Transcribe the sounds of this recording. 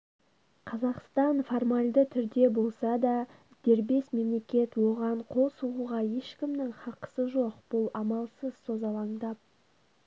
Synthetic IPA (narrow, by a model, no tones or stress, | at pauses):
qʰɑzɑqst̪ɑnfo̞rmalʲd̪ət̪ʰʏɾd̪e̞bo̞lˠsɑd̪ɑ | d̪̥e̞ɾbe̞sme̞mle̞kʲe̞t̪wo̞ʁɑɴqʰo̞lˠsulˠuʁɑje̞ʃkʲɪmnɪŋχɑqə̥səʒo̞qb̥ʊlˠɑmɑlˠsəz̥so̞zɑlˠɑŋd̪ɑp̚